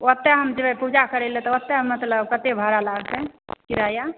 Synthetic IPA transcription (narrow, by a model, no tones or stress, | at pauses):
ɔt̪ːeɦəmd͡ʒeɛpud͡ʒakəɾelɛ̃t̪ɔɔt̪ːemət̪ləbkət̪ebʱəɾalaɡsekiɾaja